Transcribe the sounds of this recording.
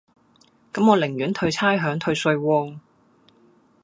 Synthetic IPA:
kɐ˨˥mŋɔː˨˧lɪ˨˩ŋɥyː˨˥nt̪ʰɵ˧ɥt͡sʰaː˥jɦœː˨˥ŋt̪ʰɵ˧ɥsɵ˧ɥwɔː˧ŋ

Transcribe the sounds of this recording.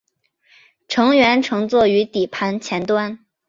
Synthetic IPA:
ʈ͡ʂʰɤ˧˥ŋɥɛ˧˥nʈ͡ʂʰɤ˧˥ŋt͡swɔ˥˩y˧˥t̪i˨˩pʰa˧˥nt͡ɕʰjɛ˧˥nt̪wa˥n

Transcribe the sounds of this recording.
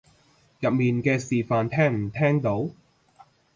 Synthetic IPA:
jɐ˨p̚miː˨nkɛː˧siː˨˩faː˨nt̪ʰɛː˥ŋm̩˨˩t̪ʰɛː˥ŋt̪o˨˥w

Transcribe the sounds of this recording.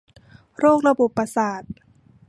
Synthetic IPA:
ɾoː˥˩k̚la˧bo˨˩pːa˧saː˨˩t̪̚

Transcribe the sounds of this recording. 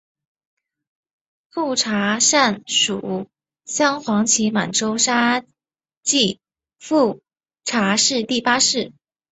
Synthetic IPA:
fu˥˩ʈ͡ʂʰa˧˥ʂa˥˩nʂu˨˩˦ | ɕjɑ˥ŋxwɑ˧˥ŋt͡ɕʰi˧˥ma˨˩nʈ͡ʂo˥ʊʂa˥ | t͡ɕi˥˧ | fu˥˩ | ʈ͡ʂʰa˧˥ʂɻ̩˥˧t̪i˥˩pa˥ʂɻ̩˥˩

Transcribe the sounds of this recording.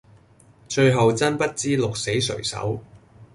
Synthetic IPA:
t͡ʃɵ˧ɥɦɐ˨wt͡sɐ˥npɐ˥t̚t͡siː˥lʊ˨k̚se˨˥jsɵ̰˨˩ɥsɐ̰˨˥w

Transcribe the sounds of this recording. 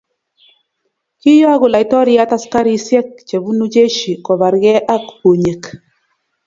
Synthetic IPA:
ki˦jɔ˦a˦ɣʊ˨la˨i˨tɔ˦ɾi˦ja˦ta˦ska˦ɾi˦sjɛ˦k̚t͡ʃe˨βu˦nu˦d͡ʒe˦ʃi˨kɔ˨βa˨ɾɡɛ˦ʔa˦kho˨ɲe˨k

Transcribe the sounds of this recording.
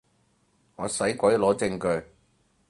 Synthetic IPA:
ŋɔː˨˧sɐ˨˥jkʷɐ˨˥jlɔː˨˥t͡sɪ˧ŋkɵ˧ɥ

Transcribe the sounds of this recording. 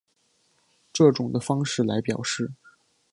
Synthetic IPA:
ʈ͡ʂɤ˥˩ʈ͡ʂʊ˨˩ŋd̪ə˦fɑ˥ŋʂɻ̩˥˩la˧˥ɪpjɑ˨˩ʊʂɻ̩˥˩

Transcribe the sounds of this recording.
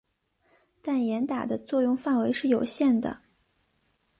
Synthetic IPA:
t̪a˥˩njɛ˧˥nt̪a˨˩d̪ə˦t͡swɔ˥˧jʊ˥˧ŋfa˥˩nwe˧˥ɪʂɻ̩˥˩jo˨˩ʊɕjɛ˥˩nd̪ə̰˩

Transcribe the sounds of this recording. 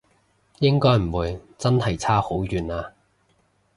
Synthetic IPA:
jɪ˥ŋkɔː˥jm̩˨˩wuː˨˧jt͡sɐ˥nhɐ˨˩jt͡sʰaː˥ho˨˥wjyː˨naː˧

